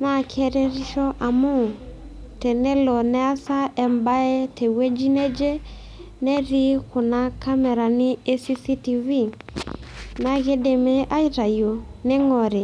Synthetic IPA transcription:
na˦˨kʰɛ˦ɾɛ˦ɾi˦ʃɔ˦ʔa˨mu˦˨ | tɛ˨nɛ˦lɔ˨nɛ˦a˦sa˦ɛ˨mba˦e˦tʰɛ˨we˦d͡ʒi˦nɛ˦d͡ʒe˦ | nɛ˦ɾi˦kʊ˨na˦ka˦mɛ˨ɾa˨nɪ˦e˦si˦si˦ti˨vi˦ | na˨ɣe˦de˨me˦ʔa˦i˦ɾa˨jo˨nɛ˦ŋɔ˨ɾe˨

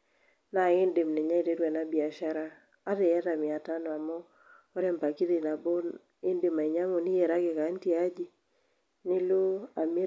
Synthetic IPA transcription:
na˨ŋɪ˦nde˨mnɛ˨ɲa˦i˨te˦dwɛ˨na˦bi˨a˨ʃa˦ɾaː˦ | dɛ˨ja˦ta˨mɪ˨a˨ta˦nɔ˨a˨mɔː˦ | ɾɛ˦mpa˨ki˦dɪ˨na˨bo˦n | ɪ˦nde˨ma˨i˨ɲa˦ŋo˨ni˦je˨ɾa˦ɡe˨ka˨˦nti˦a˦d͡ʒi˦ | nɪ˦lo˦a˨mi˦

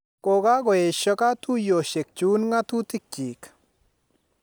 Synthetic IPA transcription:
ko˨ka˦ɡɔ˨e˨ʃɔ˦ka˦tu˦jo˨ʃe˨k̚t͡ʃu˦nŋa˦tu˦tɪ˦k̚t͡ʃi˨k

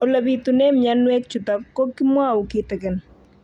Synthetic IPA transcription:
o˨la˨bi˨tu˨nɛ˦mja˦nwɛ˦k̚t͡ʃu˨ta˨p̚kɔ˦kɪ˦mwa˦˨u˨kɪ˦tɛ˨kɛ˨n

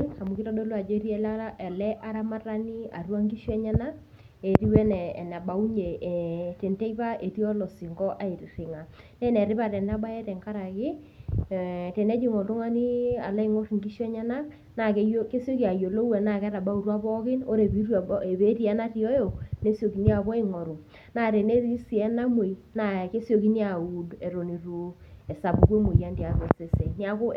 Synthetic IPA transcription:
na˨mu˨kɪ˦tɔ˦do˦lo˦a˨d͡ʒɾi˦ɛ˦la˦ɛ˨lɛ˦ʔa˦ɾa˦ma˦ra˦ni˦a̰˨rwa˦ŋɡi˦ʃwɛ˦ɲɛ˦na˦ | e˨ɾi˦wɛ˦nɛ˨na˨ba˨u˦ɲe˨te˨ntɛ˦i˦pa˦ʔe˨ti˦ɔ˦lɔ˨si˨ŋɡɔ˦ʔa˨˦i˨ɾɾɪ˨ŋa˨nɛ˦nɛ˨ɾɪ˦pa˦˨tɛ˨na˦ba˦ɛ˦tɛ˨ŋka˦ɾa˨kɪ˦˨ | tɛ˨nɛ˦d͡ʒi˦ŋɔ˨tʊ˦ŋa˦ni˦a̰˨la˦i˦ŋo˦ɾŋɡi˦ʃɔ˦ɲa˦na˦ | na˨ke˦jke˦sjo˦ki˦˨a˨jo˨lo˦wɛ˨na˨kɛ˦ɾa˨ba˦u˨ɾwa˦bɔ˦kɪ˦no˦ɾe˨bi˨˦ɾe˨βe˦ɾi˦ɛ˦na˦ti˨ɔ˦jo˨ne˦sjo˨ki˨ni˦a˨bɔ˦i˦ŋɔ˨ɾu˨ | na˨ɾe˨ne˦ɾi˦si˨ɛ˦na˦mwe˨na˨ke˦sjo˨˦ki˦ni˦a˨u˨de˨ɾo˨ni˨ru˨˦ɛ˨sa˨bu˨ke˦mo˨ja˦ndi˨a˨βe˨se˨se˨ni˦a˦kʊ˦

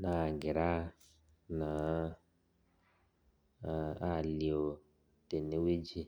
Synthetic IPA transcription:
na˨ɡɪ˨ɾa˦ | na˨ | a˦˨li˨o˨ | te˨ne˦we˦d͡ʒi˦

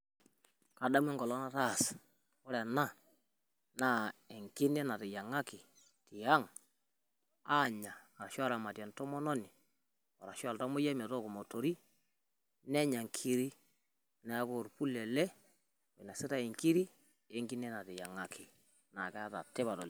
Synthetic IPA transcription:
ka˨da˦m˦ɛ˦ŋɡɔ˨lɔ˦na˦ta˦˨s | ʊ˦ɾɛ˨na˦˨ | na˦˨ɛ˨ŋkɪ˦nɛ˦na˨tɪ˨ja˨ŋa˦kɪ˨ | tɪ˨a˦ŋ | aː˦˨ɲa˨ɾa˨ʃa˦ɾa˨ma˨ta˨ntɔ˦mɔ˦nɔ˦nɪ˨ | ɔ˨ɾa˨ʃa˦˨lta˦mo˦ja˦mɛ˨tɔ˦˨kɔ˨mɔ˨to˨ɾi˦ | nɛ˦ɲa˨ŋkʰi˦ɾi˦ | na˨˦ko˨ɾpu˦lɛ˨lɛ˦ | o˨na˨sɪ˦ta˦e˨ŋki˦ɾi˦ | e˦ŋɡɪ˦nɛ˦na˨tɪ˨ja˨ŋa˦kʰɪ˨ | na̰˨kɛ˦ta˨tɪ˦ba˨tɔ˨l

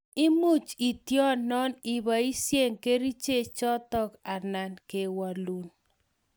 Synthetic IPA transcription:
ɪ˦mʊ˦˨t͡ʃi˨tjɔ˦nnːɔ˦nɪ˨ba˨i˦sje˦˨ŋke˦ɾi˦t͡ʃe˦˨t͡ʃɔ˦tɔ˦ka˨na˨nke˨wa˨lu˨n

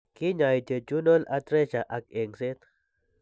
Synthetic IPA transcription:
ki˦ɲa˨jt͡ʃe˨t͡ʃu˦no˦lat̪ɾe˦ʃaʔa˨k̚eŋse˦t̪

